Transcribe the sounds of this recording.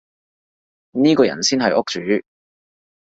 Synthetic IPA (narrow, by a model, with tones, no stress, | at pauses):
niː˥kɔː˧jɐ̰˨˩nsiː˥nɦɐ˨jʔʊ˥k̚t͡ʃyː˨˥